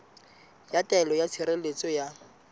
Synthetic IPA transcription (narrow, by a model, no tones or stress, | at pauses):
jatɛlɔjat͡sʰiɾelet͡sʼɔja